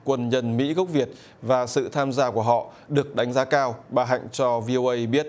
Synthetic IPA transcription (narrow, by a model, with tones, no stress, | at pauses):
kwə˧˩nɲə˧nmḭ˧˥ɣə˦˥k͡p̚vi˨˩ət̚ | vaː˨˩sɨ̰˧˨t̪ʰaː˧mzaː˧ku˧˩əɦɔ̰˧˨ | ɗɨ˨˩ək̚ɗa˨˦jŋ̟zaː˨˦kaː˧wɓaː˨˩ɦa̰˧˨jŋ̟t͡ɕɔ˧vi˧ʔo˧ʔə˧jɓi˦˥ət̚